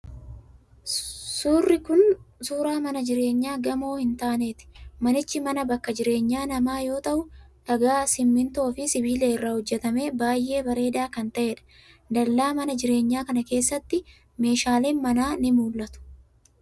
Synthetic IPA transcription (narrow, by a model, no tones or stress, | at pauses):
suːrːɪkʊnsuːɾaːmɐnɐd͡ʒɪɾe̞ːɲːaːɡɐmo̞ːhɪnt̪aːne̞ːt̪ɪ̥mɐnɪt͡ʃːɪmɐnɐbɐkːɐd͡ʒɪɾe̞ːɲːaːnɐmaːjo̞ːt̪ɐʔʊᶑɐɡaːsɪmːɪnt̪o̞ːfɪsɪbiːleːɪrːaːhɔd͡ʒːɛt̪ɐme̞ːbaːjʔe̞ːbɐɾe̞ːd̪aːkɐnt̪ɐʔeːᶑɐ̥ | d̪ɐlːaːmɐnɐd͡ʒɪɾe̞ːɲːaːkɐnɐke̞ːsːɐt̪ːɪ | me̞ːʃaːleːmɐnaːnɪmuːlːɐt̪ʊ̥